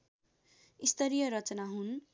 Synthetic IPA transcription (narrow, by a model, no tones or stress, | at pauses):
ist̪ʰʌɾijʌɾʌt͡sʌnaɦun